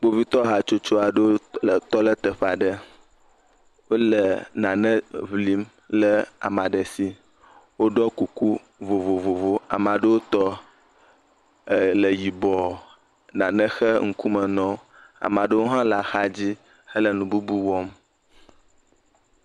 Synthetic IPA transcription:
k͡po˦vi˦t̪ɔ˦ɦa˨t͡ʃo˦t͡ʃo˦a˨ɖə˦wo˦lə˨t̪ɔ˦lə˦t̪ə˨ɸa˨ɖə˦ | wo˦lə˨nã˨nə̃˦βli˦m | lə˦a̰˨mã˨ɖə˨si˦ | wo˦ɖɔ˦ku˨ku˦ | vo˨vo˨vo˨vo˦a̰˨mã˨ɖə˦wo˦t̪ɔ˦˨ | lə˨ji˨bɔ˨ | nã˨nə̃˦xə˦ŋ̩˨ku˦mə˨nɔ̃˦ | a̰˨mã˨ɖə˦wo˦ɦã˦la˨xa˦d͡ʑi˦ | hə˦lə˨nũ˨bu˦bu˦wɔ˦m

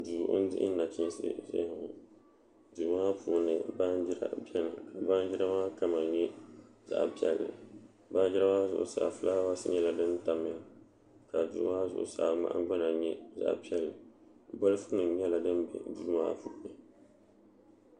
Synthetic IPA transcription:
duː˨ʔʊ˦n̩˦dɪ˦ɪ˦na˨t͡ʃɪ˦n˦sɨ̰˦ʒɪ̰˦˨hʊ˨ | duː˨maː˦puː˨nɨ˨ba˦n˦d͡ʒɪ˦ɾa̰˦˨bɛ˦nɨ˨ka˨ba˦n˦d͡ʒɪ˦ɾa˦maː˦ka˦ma˨ɲɛ˦ | za̰˨ʔpi˦ɛ˨lːɨ̰˨ | ba˦n˦d͡ʒɪ˦ɾa˦ma˦zʊ̰˨ʔʊ̰˨sa̰˨fɨ˦la˦wa˦sɨ̰˦ɲɛ˦la˨dɨ˦nta˨mɨ˦ | ka˨dṵː˨˦maː˦zʊ̰˨ʔʊ̰˨sa˨ŋ͡ma̰˨ʔa̰˦n˦ɡ͡ba˦na˨ɲɛ˦za̰˨ʔpi˦ɛ˦lɨ˨bo˦lɨ˦fʊ˦nɨ˨ɲ˦ɛ˦la˨dɨ˦n˦bɛ̰˨duː˦ma̰ː˦puː˨˦nɨ˨

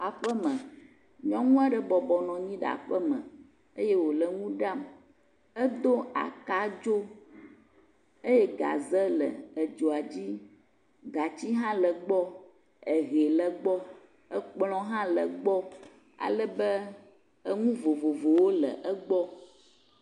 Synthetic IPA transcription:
a˨ɸə˦mə̃˨ | ɲɔ̃˦ŋũ˦a˨ɖə˨bɔ˨bɔ˨nɔ̃˨ɲĩ˦ɖɛ̰˨a̰˨ɸə˦mə̰̃˨ | ə˦jɛ˦wo˨lə˨ŋũ˦ɖa˦˨m | ə˦d̪o˦a̰˨ka˦d͡ʒo˦ | e˦jɛ˦ɡa̰˨zə˦lə̰˨ə˨d͡ʒo˨a˨d͡ʑi˦ | ɡa˨t͡ɕi˦ɦã˦lə˨ɡ͡bɔ˦ | ə˨ɣɛ˨lə˦ɡ͡bɔ˦ | ə˦k͡plɔ̃˦ɦã˦lə̰˨ɡ͡bɔ˦ | a̰˨lə˦bə˦ | ə˦ŋũ˦vo˨vo˨vo˨wo˦lə̰˨ʔə˦ɡ͡bɔ˦

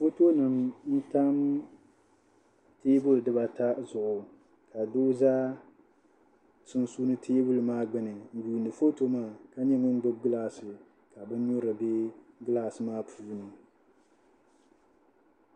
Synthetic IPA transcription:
fo˦to˦nɨ˨mn̩˦ta˦m | teː˦bʊ˦lɨ˨dɨ˦ba˨ta˦zʊ˨ʔʊ˨ | ka˨doː˦zaː˦ | sɨ˦nsu˦nɨ˦tʰeː˦bʊ˦lɨ˨maː˦ɡ͡bɨ˦nɨ˨n̩˦buː˨ndɨ˨fo˦to˦maː˦˨ka˦ɲɛ˦ŋʊ˦n̩˦ɡ͡bɨ˦b̚ɡɨ˦laː˨sɨ˨ | ka˨bɨ˦n˦ɲo˦ɾa˨be˦ɡɨ˦laː˨sɨ˨maː˦pʰuː˦nɨ˨

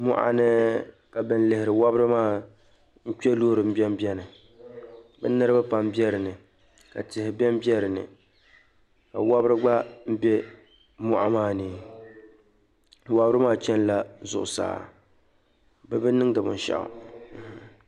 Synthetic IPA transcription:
mʊ̰˨ʔa̰˨nɨ˦ | ka˨bɨ˨n˦lɨ˨hɪ˨ɾɨ˨wa˦bɾɨ˦maː˦˨ | n̩˦t͡ʃɛ˦loː˦˨ɾɨ˨m̩˦bɛ˦m˦bʲɛ˦nɨ˨ | bɨ̰˦nɨ˦ɾɨ˦ba˦pa˦m˦bɛ˦ɾɨ˨nɨ˨ | ka̰˨tɪ˨hɪ˨bɛ˦m˦bjɛ˦ɾɨ˨nɨ̰˨ | ka˨wa˦bɾɨ˦ɡ͡ba˦m̩˦bɛ˦ | mʊ̰˨ʔa̰˦maː˦nɨː˨˦ | wa˦bɾɨ˦maː˦˨t͡ʃɛ˦n˦la˦zʊ̰˨ʔʊ˨sa̰ː˨ | bɛ˦bɨ˦nɨ˦ŋdɨ˨bʊ̰˨n˦ʃa̰˨ʔʊ̰˨

